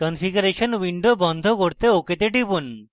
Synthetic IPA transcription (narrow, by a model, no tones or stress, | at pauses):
kɔnfiɡuɾeʃɔnwiɳɖobɔnd̪ʱokoɾt̪eoket̪eʈibun